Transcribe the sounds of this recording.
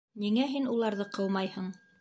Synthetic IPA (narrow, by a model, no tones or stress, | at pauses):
niŋæɦinulˠɑɾðɤqɤwˠmɑjhɤɴ